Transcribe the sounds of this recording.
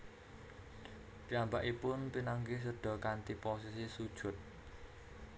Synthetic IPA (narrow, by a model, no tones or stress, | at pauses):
piambaʔipʊnpinaŋɡis̬əɖ̥ɔ̤kant̪iposisisud̥ʒ̥ʊ̤t̪̚